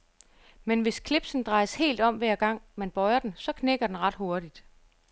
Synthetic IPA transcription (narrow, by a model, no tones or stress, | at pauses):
menʋe̝skʰle̝b̥sn̩d̥ʁɑ̈ɪəshe̝̰ːld̥ɒ̽m̰ʋæɐ̰ɡ̥ɑ̈ŋ̰mænb̥ɒ̽ɪɐd̥ensɒ̽kʰneɡ̥ɐd̥enʁɑ̈d̥ho̝ɐd̥id̥